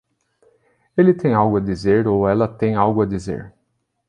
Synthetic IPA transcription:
elɪt̪ẽj̃awɡʊɐd̪izeɾowɛlɐt̪ẽj̃awɡʊɐd̪izḛɾ

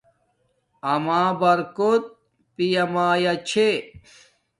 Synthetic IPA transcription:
ɐmaːbɐɾkot̪̚ | pijɐmaːjɐt͡ɕʰe

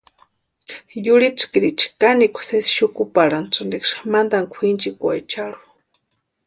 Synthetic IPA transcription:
jʊɽiʈ͡ʂkiɾit͡ʃḁkanikʷʰḁsesʃʊkʊpaɾanʈ͡ʂandikʂmand̪aŋkʷʰint͡ʃikwa̰jt͡ʃaɾu̥

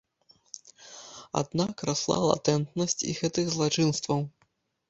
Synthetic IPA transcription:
a̰d̪nakraslˠa̰lˠa̰t̪ɛnt̪nɐsʲt͡sʲḭɣɛt̪ɨɣzlˠat͡ʂɨnst̪vɐw

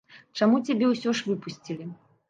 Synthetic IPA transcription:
t͡ʂamut͡sʲabʲɛwsʲɔʂvɨpusʲt͡sʲilʲi

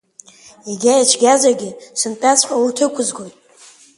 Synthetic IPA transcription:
iɡʲajat͡ʃʰɡʲazaɡʲɪsɨntʼat͡sʰʼħʷʼaurtʰɨkʷʰʊzɡojtʼ

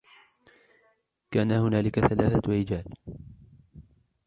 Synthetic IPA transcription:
kaːnahʊnaːlɪkaθalaːθaɾɪd͡ʒaːl

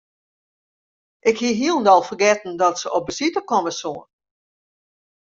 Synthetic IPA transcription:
ʔɪkhiəɦiəlˠn̩dɔlˠfərɡɛtn̩dɔtsəʔɔp̚bəsitəkɔməsoən

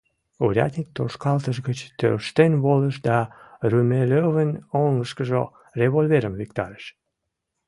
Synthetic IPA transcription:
uɾʲɑ̰t̪nʲik̚t̪oʃkɑlt̪əʒɣət͡ɕt̪ø̰rʃt̪enβoləʃd̪ɑrymeløβənoŋɡəʃkəʒo | reβolʲveɾəmvikt̪ɑɾəʃ

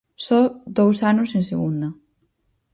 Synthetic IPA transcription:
sɔd̪owsanʊsẽnseɣund̪ɐ

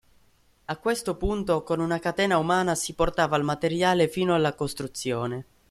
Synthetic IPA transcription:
akːwest̪opunt̪okonunakat̪ɛːnaumaːnasiport̪aːvaːlmat̪eɾjaːlefiːnoalːakost̪ɾut̪sːjoːne

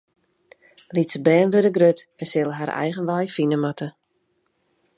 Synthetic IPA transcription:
litsəbɛːnʋødəɡrøtɛnsɪlˠəɦaɾɛ̰jɣənʋajfinəmatə

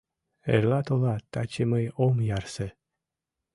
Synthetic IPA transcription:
ḛɾlat̪olat̪at͡ʃeməjomjarse

